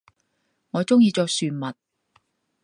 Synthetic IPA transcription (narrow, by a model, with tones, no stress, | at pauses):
ŋɔː˨˧t͡sʊ˥ŋjiː˧t͡sɔː˧k̚syː˧nmɐ˨t̚